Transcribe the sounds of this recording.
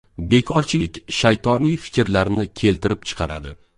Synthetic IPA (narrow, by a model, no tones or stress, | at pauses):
be̞kʰɒɾt͡ʃʰɪɪkʲʃajt̪ʰɒnijfɪ̥kʲɪɾlaɾnɪkʲʰe̞lt̪ʰɪɾɪp̚t͡ʃʰɨ̥qʰɑɾa̰d̪ɪ